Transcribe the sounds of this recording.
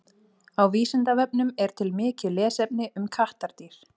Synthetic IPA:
awviːsɪnt̪avɛp̚nʏmɛɾ̥t̪ʰɪlmɪːcɪlɛːsɛpnɪʔʏmkʰaht̪aɾ̥t̪iɾ̥

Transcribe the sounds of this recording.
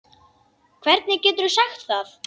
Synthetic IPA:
kʰvɛɾt̪̚nɪcɛːt̪ʏɾʏsaxt̪θaθ

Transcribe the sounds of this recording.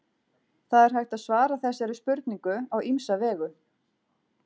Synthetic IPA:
θaðɛɾ̥ɦajht̪aðsvaːɾaθɛsːaɾɪspʏɾt̪niŋkʏaɣimsavɛːɣʏ

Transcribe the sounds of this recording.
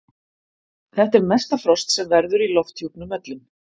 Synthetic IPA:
θɛht̪ɛɾmɛst̪afɾɔst̪sɛmvɛɾðʏɾilɔft̪ʰjupnʏmœt̪lɪn

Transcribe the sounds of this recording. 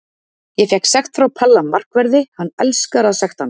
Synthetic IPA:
jɛfjɛksɛxt̪fɾawpʰɛlːamːar̥kvɛɾðɪhanːɛ̰lskaɾaðsɛxt̪hanː

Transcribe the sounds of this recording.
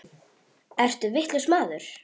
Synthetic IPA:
ɛr̥t̪ʏvɪht̪lʏsmaːðʏɾ̥

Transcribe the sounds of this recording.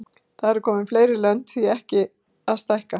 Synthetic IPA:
θaðɾɛɾ̥kʰɔːmɪnfleːjɾɪɾlœn̥t̪θiɛhcɪ | aðst̪ajhka

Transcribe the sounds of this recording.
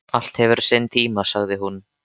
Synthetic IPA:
al̥t̪hɛvʏɾ̥sent̪ʰiːmasaɣðɪɦun

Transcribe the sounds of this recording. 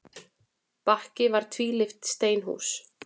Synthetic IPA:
pahcɪvaɾ̥t̪ʰviːlɪft̪st̪eːjnɦṵs

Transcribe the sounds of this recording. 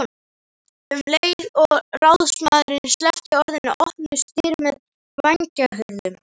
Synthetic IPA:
vleːjɾɔɣrawðsmaːðɾɪnst̪lɛhcɪɔɾðɪna̰ʔɔhpnʏst̪iːɾmɛð | vaɲcaɦʏɾðʏm

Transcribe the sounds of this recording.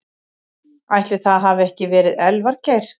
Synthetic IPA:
ajht̪lɪθaðɦaːvɛhcɪvɛːɾɪðɛlvaɾ̥ceːjɾ̥

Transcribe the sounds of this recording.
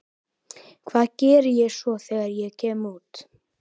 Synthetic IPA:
kʰvaːðcɛːɾɪjɛɣsɔθɛːɣaɾjɛɣcʰɛːmuːt̪

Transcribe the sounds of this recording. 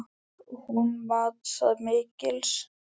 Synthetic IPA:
hunmat̪saðmɪːcɪls

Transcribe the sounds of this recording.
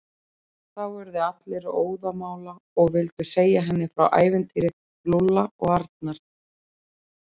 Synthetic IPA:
θawɛɾðʏat̪lɪɾoːwðamaːwla | ɔɣvɪlt̪ʏseːjaɦɛnːɪfɾa̰wʔa̰ːjvɪnt̪ʰiɾɪ | plʊlːaɔɣaɾt̪̚naɾ̥

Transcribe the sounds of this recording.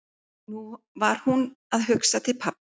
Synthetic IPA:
nu | vaɾ̥hunaðɦʏksat̪ʰɪlpʰap

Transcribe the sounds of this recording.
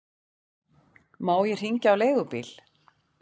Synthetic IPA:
maːwjɛr̥hiɲcawleːjɣʏpḭːl̥

